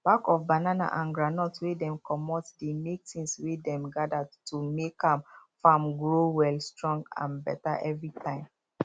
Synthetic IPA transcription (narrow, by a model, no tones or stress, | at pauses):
b̥akɔfbanana̰ʔãnɡɹanɔtwedɛ̃mkʰɔmɔtdemek̚tĩŋswedɛ̃mɡadatumekãmfamɡɹowɛlstɹɔ̃ŋɡã̰nbɛ̰ta̰ʔɛvɹitʰãɪ̃m